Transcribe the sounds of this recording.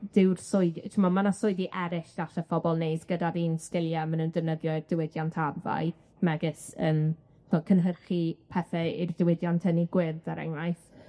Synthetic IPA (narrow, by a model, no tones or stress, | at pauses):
d̥ɪwrsʊɨdtʰɪmɔmanasʊɨdiʔɛɾɪʃd̥aɬəfɔbɔlˠneːsɡ̥ədaðiːnskɪlˠjamənəndəvnəðjɔrdɪwɪdjantʰava̰ɨ | mɛɡɪsən | ɔkʰənɦərχipʰɛθɛird̥ɪwɪdjantʰəniɡwɪrðəɾɛ̰ŋlˠajθ